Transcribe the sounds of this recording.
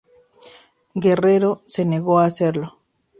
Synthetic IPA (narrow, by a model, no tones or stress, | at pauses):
ɡe̞reɾo̞se̞ne̞ɣo̞ase̞ɾlo̞